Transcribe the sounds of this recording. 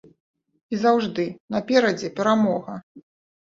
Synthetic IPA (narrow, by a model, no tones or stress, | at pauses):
izawʐd̪ɨnɐpʲɛɾɐd͡zʲɛpʲɛɾamɔɣɐ